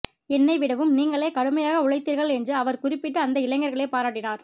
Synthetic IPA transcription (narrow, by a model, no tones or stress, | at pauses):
ɛnːɐɪʋɪɽɐʋɯmniːŋɡɐɭeːkɐɽɯmɐjaːɣɐʊɻɐɪt̪ːiːɾɣɐɭɛndrɯɐʋɐɾkʊrɪpːɪʈːɯɐnd̪ɐɪlɐɪŋɡɐɾɣɐɭeːpaːɾaːʈːɪnaːɾ